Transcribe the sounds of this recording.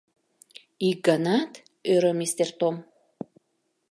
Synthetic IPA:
iɡanat̪ | øɾəmist̪ert̪om

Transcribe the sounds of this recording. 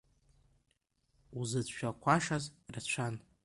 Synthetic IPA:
uzɨt͡sʷʃᶣakʷʰaʂazrat͡ʃʷʰan

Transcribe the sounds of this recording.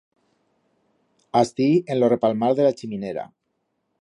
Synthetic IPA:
ast̪ienlorepalmaɾðelat͡ʃimineɾa̰

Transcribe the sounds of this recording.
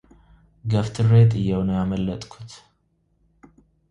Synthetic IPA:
ɡəft̪ʰɨret̪ʼɨjːɛwnəjaməlːət̪ʼkʰu̥t̪

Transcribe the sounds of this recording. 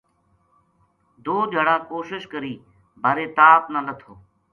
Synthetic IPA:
d̪ʱoːd͡ʒʱəɽãːkoːʃɪʃkəɾiː | bʱaːɾeːt̪aːpnãːlət̪ʰoː

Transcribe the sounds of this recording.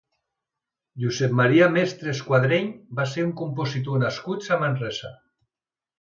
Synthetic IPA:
ʒuzɛpmaɾiamest̪ɾeskwaðɾeɲbaseuŋkumpozit̪̬onaskut̪samanrɛsa

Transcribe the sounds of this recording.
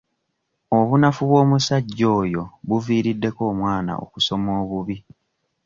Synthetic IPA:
o̞βunafuβwo̞ːmusaɟːo̞ːjo̞βuviːɾidːe̞ko̞ːmwaːna̰o̰kuso̞moːβuβi

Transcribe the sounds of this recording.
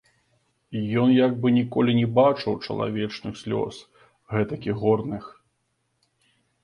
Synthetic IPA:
ijɔnjaɡ̚bɨnʲikɔlʲinʲɛbat͡ʂɨwt͡ʂɐ̰lˠa̰vʲɛt͡ʂnɨxsʲlʲɔ̰s | ɣɛt̪ɐkʲiɣɔrnɨx

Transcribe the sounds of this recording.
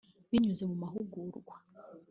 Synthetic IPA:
βiɲuze̞mumaɦuɡuɾɡwa

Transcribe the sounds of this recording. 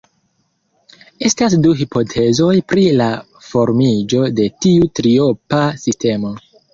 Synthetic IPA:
e̞stas̬duɦipʰo̞tʰe̞zo̞jpɾila | fo̞ɾmid͡ʒo̞de̞tiutɾio̞pasiste̞mo̞

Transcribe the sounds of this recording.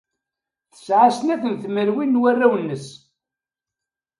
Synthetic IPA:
θə̥sʕasnækʷənθməɾwinːwærːawənːəs

